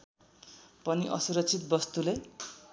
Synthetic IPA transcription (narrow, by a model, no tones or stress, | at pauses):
pʌniʔʌ̰suɾʌk̚t͡sʰit̪̚bʌst̪ule